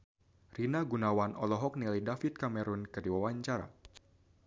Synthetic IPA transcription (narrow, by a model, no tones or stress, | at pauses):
rinaɡunawanɔlɔɦɔk̚nilidafit̪̚kamɛɾunkɨdiwawaɲt͡ʃaɾa̰